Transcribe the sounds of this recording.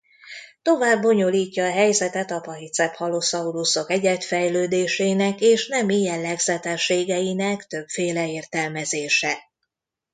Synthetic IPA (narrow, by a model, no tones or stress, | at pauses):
t̪o̞vaːbːo̞ɲo̞liːcːɒːɦɛjzɛt̪ɛt̪ɒpɒɦit̪sɛphɒlosɒuɾuso̞kɛɟɛt̪fɛjløːd̪eːʃeːnɛkeːʃnɛmijɛllɛɡzɛt̪ɛʃːeːɡɛjinɛkt̪ø̞pfeːlɛeːrt̪ɛlmɛzeːʃɛ